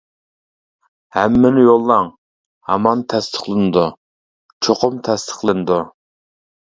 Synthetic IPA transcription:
hɛmːɪnɪjolˠːɑŋ | hɑ̰mɑnt̪ʰɛst̪ʰə̥χlˠɨnɨd̪u | t͡ʃʰoqʰʊmt̪ʰɛst̪ʰə̥χlˠɨnɨd̪u

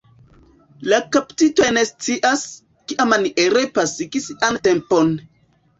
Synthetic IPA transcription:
lakaptitojne̞st͡siʔas | kiʔamaniʔeɾepasikisantempon

